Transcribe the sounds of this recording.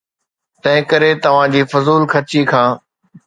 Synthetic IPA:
t̪ɐ̃ɦɪ̃kəɾet̪ɐʋ̤ãːd͡ʑiːfʊzuːlkʰɐt͡ɕiːkʰãː

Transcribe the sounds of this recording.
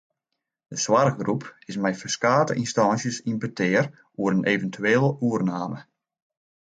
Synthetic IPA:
dəswarxɡrupɪsmɛjfəskaːtə̰ʔinstɑnsjəsinbətʰɪːər | uəɾənʔeːvəntʰyeːlˠəʔuərnaːmə

